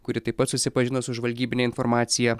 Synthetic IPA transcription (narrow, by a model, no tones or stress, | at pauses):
kʊɾʲɪt̪ɐɪpːɐt̪sʊsʲɪpɐʒʲɪnosʊʒʋɐlʲɡʲiːbʲɪnʲɛːɪnfɔɾmɑːt̪sʲɪjɛ